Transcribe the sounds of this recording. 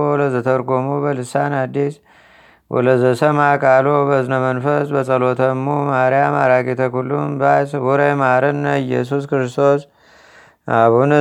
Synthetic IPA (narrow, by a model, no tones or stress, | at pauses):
wləzət̪ʰəɾɡomubəlɨsanad̪ːis | wʔɔ̰ləzəsəmakʼalobəznəmənfəsbəsʼəlot̪ʰəmːumaɾjama̰ɾakʼet̪ʰəkulːumbaswuɾemaɾɨnːəɨjːɛ̰s̬uskɨɾɨst̪ʰo̞s | aβunɨ